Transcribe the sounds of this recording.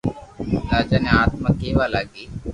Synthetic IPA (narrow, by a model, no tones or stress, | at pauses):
t̪aːt͡ʃaːnẽːaːt̪maːkeːʋaːlaːɡiː